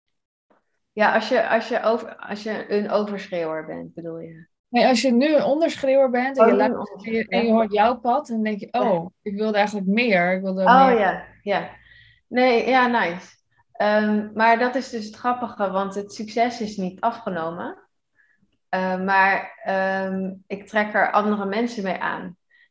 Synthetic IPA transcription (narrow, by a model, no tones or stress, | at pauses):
jaʔɑsjəʔɑ̰sjəʔowvəɑ̰sjəənowvəɹsχɪwəɹbɛ̰nt̚bədulˠjə | nejɑsjənyənɔndəɹsχrɪwəɹbɛntdkjɛnjəoɹtjɔwpɑtdɔndɛŋkjəʔowɪkʋɪlˠdəɛjχənlək̬mɪːəɹɪkʋɪlˠdəoja | ja | nejjaːnajs | ʔəmmaːɹdɑtɪsdɵs̬ɦətχrɑpəχəʋɑntɦətsyksɛsɪsnitɑfχənowmə | əmaːɹəmɪk̚trɛkɛ̰ɹʔɑ̰ndərəmɛnsənmejʔa̰ːn